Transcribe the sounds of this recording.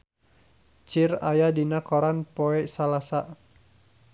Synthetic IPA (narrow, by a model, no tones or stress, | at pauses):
t͡ʃirajadinakoɾanpoɛsalasaʔ